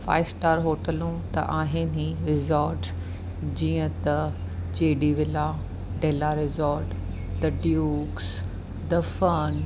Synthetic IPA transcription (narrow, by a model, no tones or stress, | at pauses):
fa̰ːɪsʈaːɾɦoːʈəlũt̪ɐ̰ʔaːɦɪnĩɾɪzɔːɾʈs | d͡ʑĩːə̃t̪ɐ | d͡ʑeːɖiʋɪla | ɖeːlaɾɪzɔːɾʈ | d̪ɐɖjuːks | d̪ɐfɐn